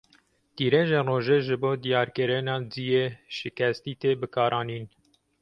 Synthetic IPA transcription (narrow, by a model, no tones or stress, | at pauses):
t̪iːɾeːʒeːnroːʒeːʒɨboːd̪ijɑːɾkɨɾɨnɑːd͡zijeːʃɪkɛst̪iːt̪eːbɨkʰɑːɾɑːniːn